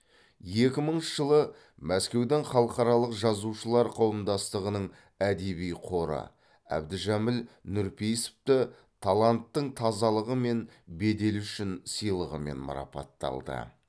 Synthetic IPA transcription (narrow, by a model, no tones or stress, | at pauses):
je̞kʲɪməɴʒ̥əlˠə | mæskʲe̞wd̪eɴχɑlˠəqɑɾɑlˠəqʒɑzuʃəlˠɑɾqʰɑwəmd̪ɑst̪əʁənəɴ | æd̪e̞bijqʰo̞ɾə̰ | æ̰bd̪ɪʒæmɪlnʊɾpʰejsɪ̥p̚t̪ɪ | t̪ʰɑlˠɑnt̪ːəɴt̪ʰɑzɑlˠəʁəme̞nbe̞d̪e̞lʏʃɪnsijlˠəʁəme̞̰nmɑ̰ɾɑ̰pɑ̰t̪ːɑ̰lˠd̪ə̰